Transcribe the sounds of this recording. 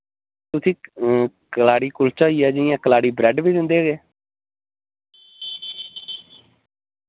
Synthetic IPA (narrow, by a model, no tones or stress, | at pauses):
t̪ʊsĩː | kəlaːɽiːkʊlt͡ʃaːiːɛːd͡ʒɪɪjãːkəlaːɽiːbɾɛːɖʋiːd̪ɪnd̪eːɦoɡeː